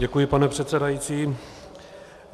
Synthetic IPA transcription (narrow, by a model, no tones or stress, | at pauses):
ɛkujɪpanɛpr̝̥ɛt̪t͡sɛdajit͡siː